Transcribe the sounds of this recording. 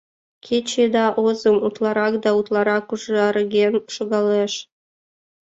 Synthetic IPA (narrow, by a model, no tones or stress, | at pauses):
kʲʰet͡ɕed̪ɑʔozə̆mut̪lˠɑɾɑkd̪ɑut̪lˠɑɾɑkuʒɑɾɡʲenʃoɣɑleʃ